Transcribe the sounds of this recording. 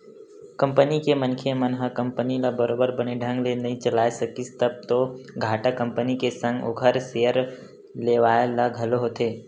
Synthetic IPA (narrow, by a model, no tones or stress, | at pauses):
kɐ̃mpənikemənkʰemənɦəkə̃mpənilabəɾoːbəɾbəneɖʱə̃ŋɡlenɐɦĩt͡ʃəlaːesɐkist̪əb̚t̪oɡʱaːʈakə̃mpənikesə̃ŋɡo̰kʰəɾsejəɾ | leːʋaːelaɡʱɐloɦot̪eː